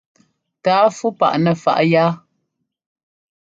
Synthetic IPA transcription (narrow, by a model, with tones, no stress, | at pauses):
taː˨˦fu˦pa̰˨ʔnɛ˨fa̰˦˨ʔjaː˦